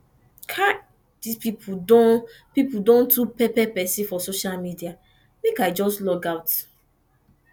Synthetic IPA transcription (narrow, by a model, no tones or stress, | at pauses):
kʰa | dispipʰudɔ̃n | pipudɔ̃ntʰupɛpɛpɛsifɔsoʃalmidia | mekaɪd͡ʒɔstlɔɡaʊt